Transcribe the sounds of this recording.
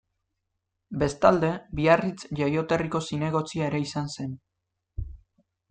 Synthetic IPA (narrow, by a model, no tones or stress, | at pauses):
be̞st̪ald̪e̞biarit͡sʝajo̞t̪e̞riko̞sine̞ɣ̞o̞t͡siaeɾe̞isanse̞n